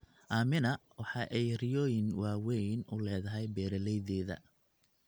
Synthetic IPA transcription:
ʔaːmɪnɐwɑħɑʔɛjrɪjɔːjɪnwɑːwɛjnʊ̰lɛːðɐɦɛjbɛːɾɐlɛjðɛːðɐ̰

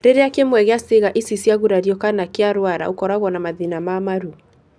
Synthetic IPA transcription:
ɾeɾeakemwɛɣeaseɣaʔisisiaɣuɾaɾjɔkanakeaɾwaɾa̰ukɔɾaɣwɔnamaðinamamaɾu

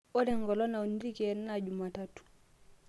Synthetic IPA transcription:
odɛŋɡɔlɔnauniɾikɛnnad͡ʒumatatu̥

